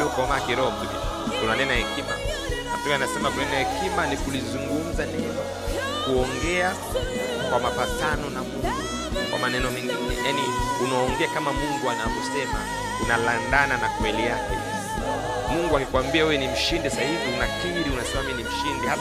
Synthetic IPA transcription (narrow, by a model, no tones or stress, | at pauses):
ɔkamakiɾɔmikḭ | tunanɛnahɛkima̰a̰tɔkanasɛmakunanɛnahɛkimanikulizuŋɡum̩zanɛɔ | kuɔŋɡɛa | kwamapatanɔnamuŋɡu | kwa̰manɛnɔmɛŋɡinɛ̰janiunaɔŋɡɛakamamuŋɡuanapɔsɛma̰ | unalandananakwɛlijakɛ | muŋɡuakikwambiaɛɛnim̩ʃindɛsahiviunakiɾiunasɛmaminim̩ʃindɛha